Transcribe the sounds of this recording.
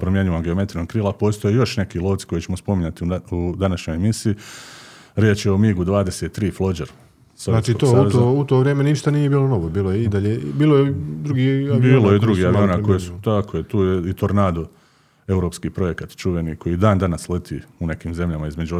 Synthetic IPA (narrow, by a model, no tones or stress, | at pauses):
pɾomje̞ɲuːʋamɡeo̞me̞t̪ɾinoɡ̚kɾiːlˠapo̞ːst̪ojejo̞ʃne̞kilˠoːt̪si̥ko̞jet͡ɕe̞mospo̞miɲat̪iud̪anaʃɲo̞jemisiː | ɾjeːt͡ʃjeomiɡud̪ʋaːd̪eset̪ːɾiːflˠod͡ʒeɾ | sanaːt͡ʃiooueoːut̪oʋɾjeːmeniʃt̪anijebiːlˠonoʋobiːlˠojeid̪aʎebiːlˠojed̪ɾuɡibiːlojed̪ɾuɡiaionakojesu̥t̪akʰojet̪uːjeit̪o̞ɾnaːd̪u | e̞wɾopskiːpɾo̞je̞kat̪t͡ʃuʋe̞niko̞jid̪aːnd̪anaslet̪ʰiːune̞kiːmze̞mʎamaizme̞d͡ʒu